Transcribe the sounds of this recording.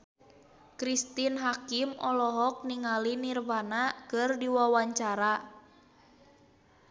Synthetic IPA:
kɾist̪inɦakimʔɔlɔɦɔk̚niŋalinirbanakɨrdiwawaɲt͡ʃaɾa

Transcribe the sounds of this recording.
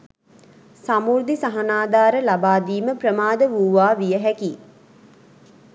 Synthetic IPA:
samuːɾd̪isaɦanaːd̪aːɾəlabaːd̪iːməprəmaːd̪əʋuːʋaːʋijəɦɛki

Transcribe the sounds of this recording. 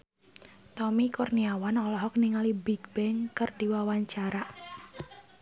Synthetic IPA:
t̪ɔmikɔrniawanɔlɔɦɔk̚niŋalibiɡbɛŋkərdiwawaɲt͡ʃaɾa

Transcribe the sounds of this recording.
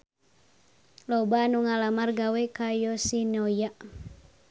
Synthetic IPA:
lɔbanuŋalamarɡawɛkajɔsinɔjaʔ

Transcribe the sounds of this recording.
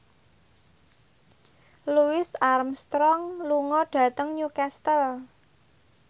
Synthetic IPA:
luɪsarmst̪ɾɔŋluŋɔɖ̥ä̤t̪əŋɲukɛst̪əl

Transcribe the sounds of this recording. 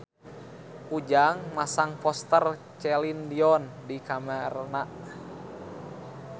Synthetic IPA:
ʔud͡ʒaŋmasaŋpɔst̪ər | t͡ʃɛlindiɔndikamɛrnaʔ

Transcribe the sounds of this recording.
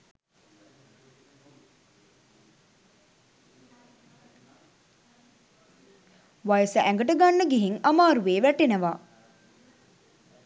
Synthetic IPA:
ʋajəsəʔæŋɡəʈəɡanːəɡeɦiŋamaːɾuʋeːʋæʈenəʋaː

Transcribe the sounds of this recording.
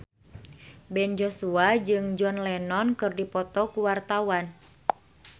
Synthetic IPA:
bɛnd͡ʒosuad͡ʒɨŋd͡ʒɔnlɛnɔnkɨrdipɔt̪ɔkuwart̪awan

